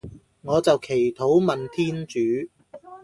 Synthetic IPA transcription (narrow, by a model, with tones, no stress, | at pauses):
ŋɔː˨˧t͡sɐ˨wkʰe˨˩jt̪ʰo˨˥wmɐ˨nt̪ʰiː˥nt͡ʃyː˨˥